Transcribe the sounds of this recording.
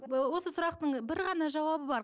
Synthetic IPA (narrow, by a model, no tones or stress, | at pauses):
wo̞səsʊɾɑqt̪əɴbɪɾʁɑnɑʒɑwɑbəbɑɾ